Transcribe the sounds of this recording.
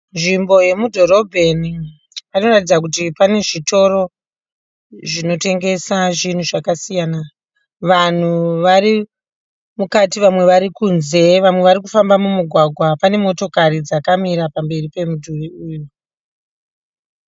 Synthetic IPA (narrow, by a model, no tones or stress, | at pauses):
nʐimbo̞je̞mudʱo̞ɾo̞bʱe̞ni | anoratid͡zak̬utipane̞ʐitʰo̞ɾo̞ | ʐino̞te̞ŋɡe̞saʐin̤uʐakasijana | ʋan̤uʋari | mukatiʋamwe̞ʋaɾikuːnze̞ʋamwe̞ʋaɾikufambamumuɡʱwaɡʱwapane̞mo̞to̞kaɾid͡zakamiɾapambe̞ripe̞mudʱuʋiuːju